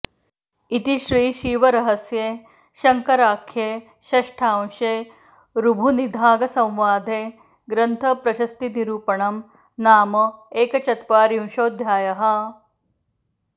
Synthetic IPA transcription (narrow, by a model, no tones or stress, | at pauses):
it̪iʃɾiːʃiːʋɐɾɐɦɐsjeː | ʃɐŋkɐɾaːkʰjeː | ʃɐʂʈʰaːw̃ʃeː | ɾubʱunid̪ʱaːɡɐsɐ̃wʋaːd̪ʱeː | ɡɾɐnt̪ʰɐpɾɐʃɐst̪iniɾuːpɐɳɐm | naːmɐeːkɐt͡ʃɐt̪ʋaːɾiwʃoːd̪ʱjaːjɐɦɐ̆